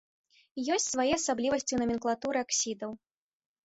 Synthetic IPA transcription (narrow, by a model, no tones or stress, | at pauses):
jɔsʲt͡sʲsvajɛɐsablʲivɐsʲt͡sʲunɐmʲinklˠat̪uɾɨaksʲid̪ɐw